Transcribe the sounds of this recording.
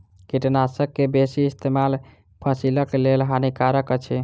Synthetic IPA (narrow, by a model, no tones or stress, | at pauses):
kiʈnasəkːebesiːst̪emal | pʰəsiləkelelɦanikaɾəkət͡ʃʰi